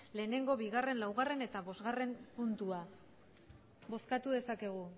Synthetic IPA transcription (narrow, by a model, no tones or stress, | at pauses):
le̞ːne̞ŋɡo̞βiɣare̞nlawɣ̞are̞ne̞t̪aβo̞zɣare̞mpunt̪ua | bo̞skat̪uðe̞sake̞ɣ̞u